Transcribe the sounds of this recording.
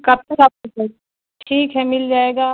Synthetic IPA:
kɐb̚t̪ɐkaːp̚kose | ʈʰiːkɦɛmɪld͡ʒaːeːɡaː

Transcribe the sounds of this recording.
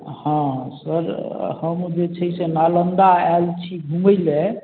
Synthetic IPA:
hãsəɾhəmd͡ʒet͡ʃʰəisenalənd̪aɛlt͡ʃʰibʱuməjle

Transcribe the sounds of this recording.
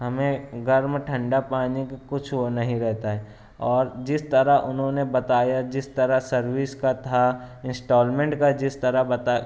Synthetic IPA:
ɦɐmẽɡɐɾmʈʰə̃ɳɖapaːnekekʊt͡ʃʰwonɐɦĩɾɛɦt̪aɦɛː | ɔːɾd͡ʒɪst̪əɾaʔʊnɦõnebɐt̪aːjad͡ʒɪst̪əɾasɐɾwɪskat̪ʰaɪ̃nsʈoːlmẽɳʈkad͡ʒɪst̪əɾabɐt̪a

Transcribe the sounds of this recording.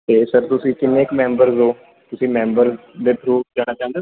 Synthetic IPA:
t̪eːsəɾt̪ʊsĩːkɪnːeːkmɛ̃ːmbəɾzɦoː | t̪ʊsĩːmɛ̃ːmbəɾz | d̪eːp̪ʰɾuːd͡ʒaːñaːt͡ʃãːnd̪e

